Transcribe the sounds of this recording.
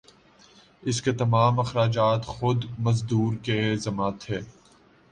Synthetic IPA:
ɪsket̪ɐmaːmɐxɾaːd͡ʒaːt̪xʊd̪mɐzd̪uːɾkezɐmat̪ʰeː

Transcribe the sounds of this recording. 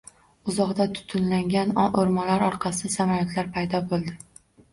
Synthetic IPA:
ʊzɒʁd̪at̪ʰʊ̥t̪ʰʊnlaŋɡʲanʔoɾmɒlaɾɒɾqʰɑsɪasamaɾat̪ʰlaɾpʰajd̪ɒbolˠd̪ɪ

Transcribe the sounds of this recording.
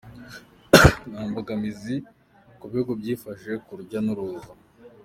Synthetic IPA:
naːmbaɡamizi | kuβihuɡobɟiːfaʒe̞kuɾɟanuɾuva

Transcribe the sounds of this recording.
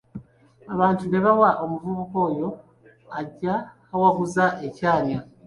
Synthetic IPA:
aβaːntune̞βawaʔo̞muvuβuko̞ːjo̞ | aɟːaː | waɡuzaʔecaːɲja

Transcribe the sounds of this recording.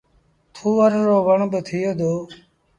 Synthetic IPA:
t̪ʰuːəɾːoːʋəɳbət̪ʰɪjoːd̪oː

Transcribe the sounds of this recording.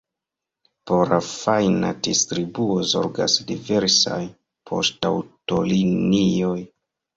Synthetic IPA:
poɾafajnadistɾibuozo̞̰ɾɡa̰sdive̞ɾsa̰j | pʰo̞̰stawtolinioj

